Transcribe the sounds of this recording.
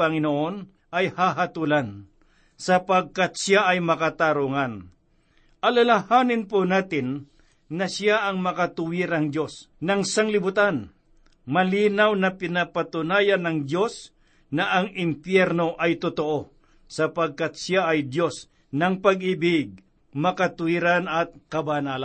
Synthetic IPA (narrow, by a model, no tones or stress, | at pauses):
ɐŋɪnoʔon | ʔɐjhaɦat̪ulan | sɐpaɡ̚kat̪̚sjaʔɐjmɐkat̪aɾuŋan | ʔɐlalahaːnɪnponaːt̪ɪnː | ɐsjaʔɐŋmɐkat̪ʊwiɾɐŋd̪jo̞snɐŋsaŋlɪbʊt̪an | mɐliːnawnɐpɪnapat̪ʊnaːjanɐŋd̪jo̞s | nɐʔɐŋɪmpjɛɾno̞ʔɐjt̪ʊt̪oʔo | sɐpɐɡ̚kat̪̚sjaʔɐjd̪jo̞s | nɐŋpɐɡ̚ʔiːbɪɡ̚ | mɐkat̪ʊiɾanɐt̪̚kɐbanaːla